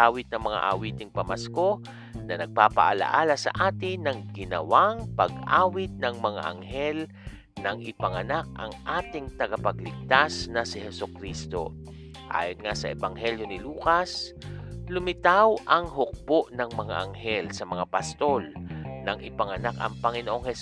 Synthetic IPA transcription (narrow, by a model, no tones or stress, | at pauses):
aːwɪt̪̚nɐŋmɐŋa̰ʔa̰wiːt̪ɪŋpɐmɐsko̞ | nɐnɐɡ̚paːpɐ̰ʔɐlɐ̰ʔaːlɐsɐ̰ʔaːt̪ɪnɐŋɡɪnɐ̰waŋpɐɡʔaːwɪt̪̚nɐŋmɐŋa̰ʔɐ̰ŋɦɛl | nɐŋʔɪpɐŋɐnak̚ʔɐ̰ŋʔaːt̪ɪŋt̪ɐɡɐpɐɡlɪɡ̚t̪asnɐsɪɦɛsʊkɾist̪o̞̰ | ʔa̰ːjonŋasɐʔɛbaŋɦɛljo̞nɪluːkɐs | lʊmɪt̪awʔɐŋɦʊk̚poʔnɐŋmɐŋa̰ʔɐŋɦɛlsɐmɐŋapɐst̪o̞lnɐŋʔɪpɐŋɐnakɐ̰ŋpɐŋɪnoʔoŋhɛ